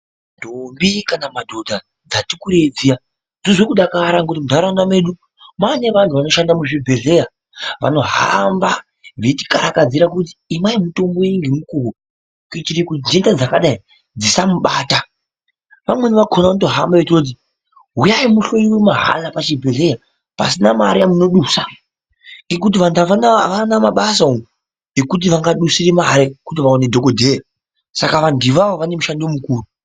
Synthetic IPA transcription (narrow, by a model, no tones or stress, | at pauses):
nndombikanamadʱo̞dʱa | d͡zatikuɾed͡zia | zozekuɗakaɾaŋɡut̬imudʱaɾandamwe̞ɗu | mane̞ʋantʰuʋano̞ʃandamuʐibʱe̞ɮe̞ja | ʋa̰no̞ɦa̰mba | ʋeti̥kaɾakad͡ziɾak̬ut̬i̥ːmaimuto̞mbo̞iŋɡemukuko | kit͡ʃiɾikud͡zendad͡zakaɗai | d͡zisamuɓaːta | ʋamwe̞niʋakʰonato̞ɦa̰mbaʋetirot̬i | ɦujaimuɬo̞irwemaɦa̰lapat͡ʃibʱeɮe̞ja | pa̰sinamaɾiamuno̞ɗuːsa | ŋɡe̞k̬ut̬iʋandaanaʋanamaɓasao | ekut̬iʋaŋɡaɗusiremaɾekut̬iʋaonedʱo̞kodʱeːra | sakaʋandiʋaoʋane̞muʃandomukuːru